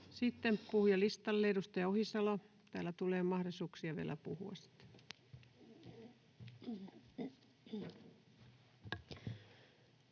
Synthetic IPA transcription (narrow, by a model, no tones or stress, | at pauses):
sit̪ːempuhujɑlist̪ɑlːeidust̪ɑjɑohisɑlo | t̪æːlːæt̪uleːmɑhrosuːksiɑʋḭḛlæ̰puhṵɑ̰ssi̥t̪ː